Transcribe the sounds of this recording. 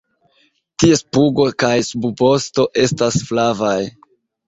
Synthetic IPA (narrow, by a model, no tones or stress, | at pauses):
tie̞spuɡo̞kajsubbo̞sto̞ʔe̞stasflavaj